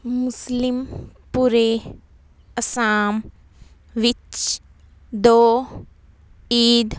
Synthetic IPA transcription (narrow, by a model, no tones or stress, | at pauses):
mʊslim | puɾe | ɐsaːm | ʋit͡ʃ | d̪oː | iːd̪